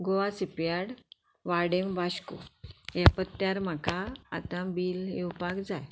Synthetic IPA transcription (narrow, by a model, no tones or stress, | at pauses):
ɡoʋasipjaɽ | ʋaɽembaɕkṵjapət̪ːjaɾm̤aka̰ːt̪ãbiːlewpakd͡zaj